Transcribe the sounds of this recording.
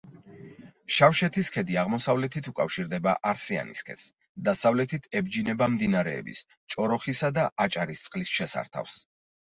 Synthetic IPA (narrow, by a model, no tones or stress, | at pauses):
ʃafʃɛt̪ʰiskʰɛd̪iaʁmɔsavlɛt̪ʰit̪ʰukʼafʃiɾd̪ɛbaʔaɾsia̰nḭskʰɛ̰s | d̪asavlɛt̪ʰit̪ʰɛbd͡ʒinɛbamd̪inaɾɛ̰ːbḭs | t͡ʃʼɔɾɔχisad̪aʔat͡ʃʼaɾist̪sʼqʼlisʃɛsa̰ɾt̪ʰa̰fs